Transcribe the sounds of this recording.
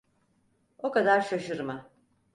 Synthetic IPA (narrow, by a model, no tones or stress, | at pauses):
o̞kad̪aɾʃaʃɯɾma